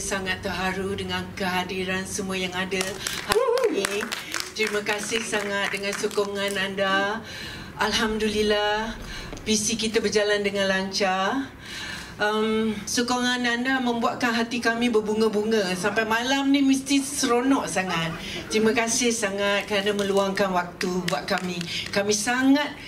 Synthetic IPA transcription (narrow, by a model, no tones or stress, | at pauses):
saŋat̪ːərɦaɾudəŋankəɦadiɾansəmuəjaŋadəhaluini | t̪ɾimakasɪhsaŋat̪̚dəŋansokɔŋananda | alɦamdulilah | bisikit̪abərd͡ʒalandəŋãnlaɲt͡ʃa | ʔəmsokɔŋãnandamə̃mbuat̪̚kanɦat̪ikamĩbərbuŋəbuŋəsampajmalamnĩməst̪isəɾonɔʔsaŋat̪̚ | t̪ɾimakasɪhsaŋat̪̚kəɾanamə̃luaŋkanwak̚t̪ubuaʔ̚kamĩkamĩsaŋat̪̚